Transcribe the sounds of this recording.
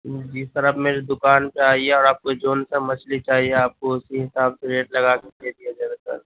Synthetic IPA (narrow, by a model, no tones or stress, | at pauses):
d͡ʒist̪əɾəfmeːɾid̪ʊkaːnpeaːieɔːɾaːp̚kod͡ʒoːnsemɐt͡ʃlit͡ʃaːɦieaːp̚koʊsiɦɪsaːbseɾeːʈlɐɡakek̪ed̪ijad͡ʒɐɾəsə̰ɾ